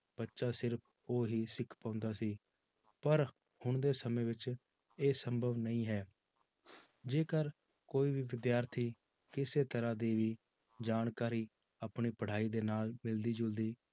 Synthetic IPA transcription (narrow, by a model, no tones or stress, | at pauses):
b̥ətːʃaːsɪɾpʰ | oːɦiːsɪkʰpãːʊnd̪aːsiː | pəɾ | hʊɳd̪eːsəmẽːʋɪt͡ʃ | eːsəmbʱəʋnəĩːɦɛː | d͡ʒeːkəɾ | koːiːbʱiːʋɪd̪jaːɾt̪ʰiː | kɪseːt̪əɾãːd̪iːʋiː | d͡ʒaːɳkaːɾiː | aːpɳiːpəɽ̤aːiːd̪eːnaːlmɪld̪iːd͡ʒʊld̪iː